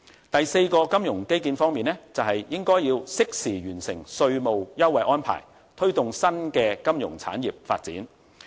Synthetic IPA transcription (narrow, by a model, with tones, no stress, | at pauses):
t̪ɐ˨jse˧jkɔː˧kɐ˥mjʊ˨˩ŋke˥jkiː˧nfɔː˥ŋmiː˨nɛː˥t͡sɐ˨wɦɐ˨jjɪ˥ŋkɔː˥jːiː˧wsɪ˥k̚siː˨˩ɥyː˨˩nsɪ˨˩ŋsɵ˧ɥmo˨wjɐ˥wɐ˨jʔɔː˥npʰa̰ː˨˩j | t̪ʰɵ˥ɥt̪ʊ˨ŋsɐ˥nkɛː˧kɐ˥mjʊ̰˨˩ŋt͡sʰa̰ː˨˥njiː˨p̚fa̰ː˧t̚t͡siː˨˥n